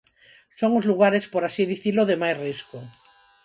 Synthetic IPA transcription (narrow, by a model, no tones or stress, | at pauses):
soŋozluɣ̞aɾespoɾasiðiθiloðemajsrisko